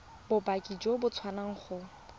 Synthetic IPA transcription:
bʊbakʼid͡ʒobʊt͡sʰwanaŋ̩χʊ

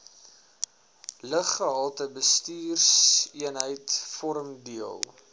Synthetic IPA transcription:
ləχːəɦɑlˠtəbəstiːrsiənɦəjtfɔɾəmdiəlˠ

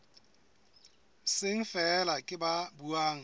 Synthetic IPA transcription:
sɪŋ̩fɛlakʼɪbabuaːŋ̩

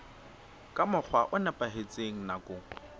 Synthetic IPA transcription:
kʼamʊk͡xʰwaʔʊnɛpʼaɦet͡sʼeŋ̩nakʼʊːŋ̩

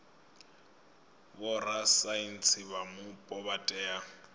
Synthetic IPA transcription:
bʊrasain̩t͡sʰɪβamʊpʼɔbatʼɛːa

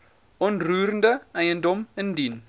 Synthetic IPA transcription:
ɔntruːɾəndəʔɛɪəndɔməndin

